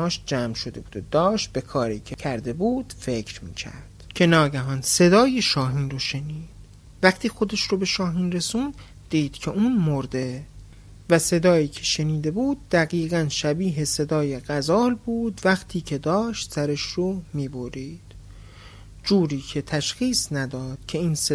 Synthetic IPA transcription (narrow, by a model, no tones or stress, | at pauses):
ɒːʃ̚d͡ʒæːmʃod̪e̞buːd̪od̪ɒːʃt̪̚be̞kʰɒːɾḭːcʰe̞cʰæɾd̪e̞buːd̪̥fe̞cʰɾmḭːcʰæ̰ɾd̪̥cʰe̞nɒːɟæɦɒnse̞d̪ɒːjeʃɒːɦiːnroʃe̞niːd̥̪ | væχt̪ʰiːxo̞d̪eʃɾobe̞ʃɒːɦiːnre̞sund̪ | d̪̥iːd̪̥cʰeʔuːnmoɾd̪e̞ | væse̞d̪ɒːjiːcʰe̞̥ʃe̞niːd̪e̞buːd̪̚ːæɣiːɣænʃæbiːɦe̞se̞d̪ɒːjeɣæzɒːlbuːd̪væxt̪ʰiːcʰe̞d̪ɒːʃt̪sæɾeʃɾomiːboɾiːd̪̥ | d͡ʒuːɾiːcʰe̞t̪ʰæʃxiːsnæd̪ɒːd̪̥̚cʰe̞iːns